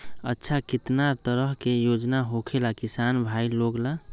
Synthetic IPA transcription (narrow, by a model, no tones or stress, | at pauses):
ə̰tːʃʰakit̪naɾt̪əɾəɦkejod͡ʒnaɦokʰelakisanbʱailoɡla